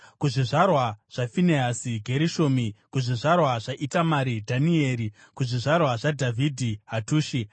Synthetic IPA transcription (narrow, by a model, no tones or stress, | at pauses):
kuʐiʐarwaʐ̥afineasiɡʱe̞ɾiʃo̞ːmikuʐiʐarwaʐaʔitamaɾidʱanieːɾi | kuʐiʐarwaʐadʱavʱidʱiɦatuːʃi